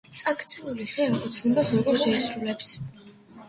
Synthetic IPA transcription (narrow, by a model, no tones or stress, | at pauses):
t̪sʼakʰt̪sʰɛuliχɛaɔt̪sʰnɛbasɾɔɡɔɾʃʃɛːsɾulɛps